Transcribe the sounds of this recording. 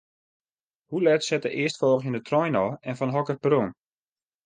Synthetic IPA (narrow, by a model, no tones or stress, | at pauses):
hulɛtsɛtəʔɪəstfɔːχjəndətrɔjnɔɛnfɔnɦɔkərprun